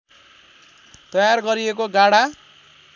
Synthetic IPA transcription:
t̪ʌjarɡʌɾiekoɡaɽa

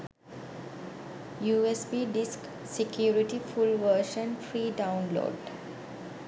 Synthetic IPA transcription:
juːesbiɖisk | sekjuːɾiʈifulʋəːʃə̃nfɾiːɖaʊ̃nlo̰ːɖ

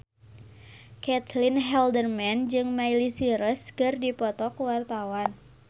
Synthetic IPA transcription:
kɛt̪linɦɛldərmɛnd͡ʒɨŋmailisiɾəskɨrdipɔt̪ɔkwart̪awan

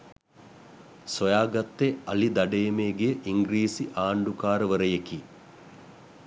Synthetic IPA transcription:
sojaːɡɐt̪ːeɐlid̪aɖejmeɡejəʔiŋɡɾiːsiʔaːɳɖukaːɾəʋəɾəjeki

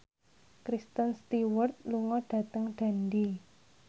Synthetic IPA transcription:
kɾist̪ənst̪iwərt̪̚luŋɔɖ̥a̤t̪əŋɖ̥a̤ndi

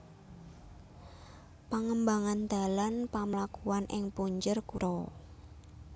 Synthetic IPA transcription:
paŋəmbaŋand̪̥a̤lanpamlakuanʔɪŋpuɲd͡ʒərkuɾʔɔ

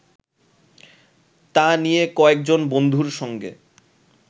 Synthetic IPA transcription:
t̪anijekɔek̚d͡ʑonbond̪ʱuɾʃɔŋɡḛ

